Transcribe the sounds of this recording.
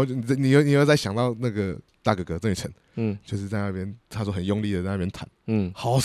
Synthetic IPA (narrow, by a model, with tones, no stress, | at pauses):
ni˨˥˧ni˨jo˥˩ʊni˨˧o˧t͡sa˥˩ɪɕjɑ˨˩ŋt̪ɑ˥˧ʊna˥˩ɡə˨˩t̪a˥˧˩ɡə˨˩kɤ˧˦ə˥˧ŋy˨˩t͡sʰə̰˨˦n̩˥˩ | t͡ɕjo˥˧ʊʂɻ̩˥˧t͡sa˥˧ɪna˥˧˩pjɛ˥nt̪ʰa˥t͡swɔ˥˩xə˨˩njʊ˥˧ŋli˥˨˩ə˩˥˧na˥˩jɛ˥˧nt̪ʰa̰˨˩˦n˥˩xɑ˨˩ʊ